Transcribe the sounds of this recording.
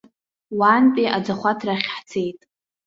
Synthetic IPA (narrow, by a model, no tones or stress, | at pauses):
waːnpʼiʔad͡zaχʷatʰraχʲħt͡sʰe̞jtʼ